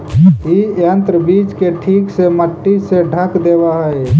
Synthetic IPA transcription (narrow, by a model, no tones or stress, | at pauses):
iə̃nt̪ɾəbiːd͡ʒkeʈʰiːkseməʈːiseɖʱəkd̪eːbaɦəe